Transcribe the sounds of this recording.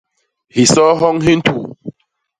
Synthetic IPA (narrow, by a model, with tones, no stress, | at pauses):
hi˨sɔ˦ɦɔ˦ŋɦĩ˦n˦tʰu˨